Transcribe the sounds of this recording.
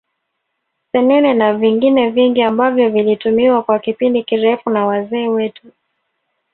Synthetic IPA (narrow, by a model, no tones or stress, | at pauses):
sɛnɛnɛnaviŋɡinɛviŋɡiambavjɔvilitumiwakwakipindikiɾɛfunawazɛːwɛtu